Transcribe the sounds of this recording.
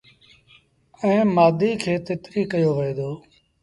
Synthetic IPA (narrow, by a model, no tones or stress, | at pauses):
ɛ̃ːmaːd̪ʱiːkʰeːt̪ɪt̪ɾiːkəjoːʋəeːd̪oː